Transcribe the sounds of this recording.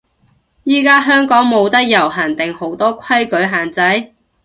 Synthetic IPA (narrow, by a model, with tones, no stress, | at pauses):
jiː˥kaː˥ɦœː˥ŋkɔː˨˥ŋmo˨˧wt̪ɐ˥k̚jɐ˨˩wɦɐː˨˩nt̪ɪ˨ŋho˨˥wt̪ɔː˥kʰɐ˥jkɵ˨˥ɥɦaː˨nt͡sɐ˨˥j